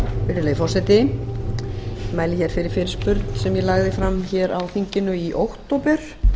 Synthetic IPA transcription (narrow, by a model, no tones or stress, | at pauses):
fɪɾðɪleːjfɔr̥sɛjt̪ɪ | maːjlɪçɛɾ̥fɪɾɪɾ̥fɪɾɪ̥spʏɾt̪n̥sɛmjɛlaɣðɪfɾamːçɛɾawθiɲcɪnʏiʔowht̪ːowpʏɾ̥